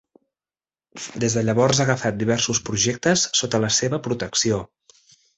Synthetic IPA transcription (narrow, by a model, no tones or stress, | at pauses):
d̪ezðəʎəβɔɾzaɣəfat̪̚d̪iβɛɾsuspɾuʒek̚t̪əsːot̪ələseβəpɾut̪əksio